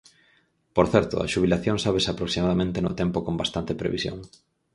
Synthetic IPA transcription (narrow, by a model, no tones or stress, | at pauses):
poɾθɛɾt̪ʊ̰a̰ʃuβ̞ilaθjoŋsaβesapɾoksimaðamẽnt̪enʊt̪ɛmpokombast̪ant̪epɾḛβḭsjo̰ŋ